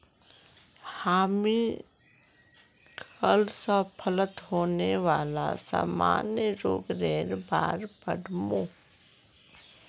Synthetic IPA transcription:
haːmi | kəlsapʰələt̪ɦoːneʋaːla̰sa̰ːma̰ːnjəɾoːɡɾɛːɾba̰ːɾbə̰ɽʱmoː

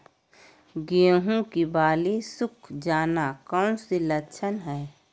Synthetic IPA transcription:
ɡeɦũkibaːlisʊkʰd͡ʒaːnakəʊ̃selət͡ʃʰənɦɛː

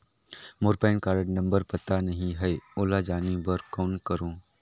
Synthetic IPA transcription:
moːɾpaːɪnkaːɾəʈnɐ̃mbəɾpɐt̪anɐɦĩɦɛeʊːlad͡ʒaːnibɐɾkɔːnkɐɾõː

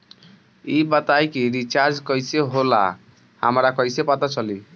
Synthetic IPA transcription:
ibət̪ajkiɾit͡ʃaɾd͡ʒkəjseɦola̰ | hə̰mɾakəjsepət̪at͡ʃəli

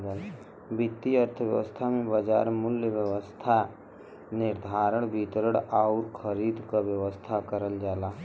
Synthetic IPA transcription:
d̪əl | bɪt̪ːiəɾt̪ʰəʋjə̰ʋə̰st̪ʰamẽbəd͡ʒa̰ːɾmʊljəʋjəʋəst̪ʰa | nɪɾd̪ʱaːɾəɽ̃bit̪ɾəɽaːuɾkʰəɾiːd̪ʱkaʋjəʋəst̪ʰakəɾəld͡ʒaːlaː

